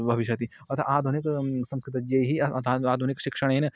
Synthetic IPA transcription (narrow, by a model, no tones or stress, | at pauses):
bʱɐʋiʃjɐt̪i | ɐt̪ʰa̰ʔaːd̪ʱuniksɐ̃mskɾɪt̪ɐd͡ʒɐɦiɐt̪ʰaaːd̪ʱunikʃɪkʂɐɳen